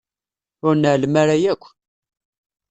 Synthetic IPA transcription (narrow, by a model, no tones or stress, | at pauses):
ʊɾnəʕlmaɾajækʷː